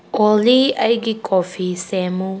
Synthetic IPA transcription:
oliajɡikʼofisɛmu

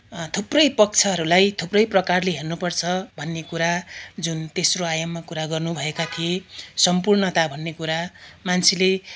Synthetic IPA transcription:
t̪ʰuprʌjpʌk̚t͡sʰʌɦʌɾulajt̪ʰuprʌjprʌkarleɦernupʌrt͡sʰʌbʱʌnːekuɾad͡zunt̪esroajʌmːakuɾaɡʌrnubʱʌekat̪ʰiesʌmpurnʌt̪abʱʌnːekuɾamant͡sʰile

